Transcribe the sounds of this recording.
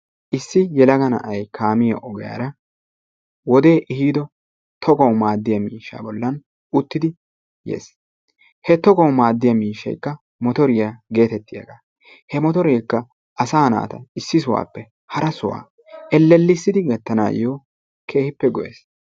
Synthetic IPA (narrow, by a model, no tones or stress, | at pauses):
ʔɪsːɪjɛlɐɡɐnɐ̰ʔɐjkʰaːmɪjɐ̰ʔɔɡɛja̰ːɾɐ | wɔd̪e̞ːʔɪhiːd̪ɔ | t̪ʰɔɡɔwmaːd̪ːɪjɐmiːʃːa̰bɔlːɐn | ʊt̪ːɪd̪ɪ | jḛːs | hɛt̪ɔɡɔwmaːd̪ːɪjɐmiːʃːɐ̰jkːɐ | mɔt̪ɔɾɪjaɡe̞ːt̪ɛt̪ːɪjɐ̰ɡaː | hɛmɔt̪ɔɾejkːɐ | ɐsaːna̰ːt̪ɐɪsːɪsʊwa̰ːpːɛ | hɐɾɐsʊwa̰ː | ʔɛlːɛlːɪsːɪd̪ɪɡɛt̪ːɐna̰ːjoː | kʰe̞ːhɪpːɛɡɔʔḛːs